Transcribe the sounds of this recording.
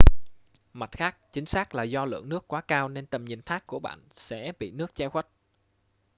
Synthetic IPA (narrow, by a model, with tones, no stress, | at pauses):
ma˨˩t̚xaː˦˥k̚t͡ɕï˨˦ŋ̟saː˦˥k̚laː˨˩zɔ˧lɨ̰˧˨əŋnɨ˦˥əkːwaː˨˦kaː˧wne˧nt̪ə˨˩mɲi˨˩ənt̪ʰaː˦˥kkːu˧˩əɓa̰ː˧˨nsɛ̰˧˥ɓḭ˧˨nɨ˦˥ək̚t͡ɕa˧xwa˦˥t̚